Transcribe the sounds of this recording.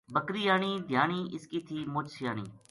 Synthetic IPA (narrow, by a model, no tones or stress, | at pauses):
bəkɾiːjaːniːd̪ʱjaːniːʔɪskiːt̪ʰiːmʊːt͡ʃsɪjaːñḭː